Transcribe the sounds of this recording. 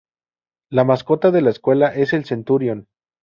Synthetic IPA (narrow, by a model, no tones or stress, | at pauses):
lamasko̞t̪aðe̞laeskwe̞laʔe̞se̞lsent̪uɾjon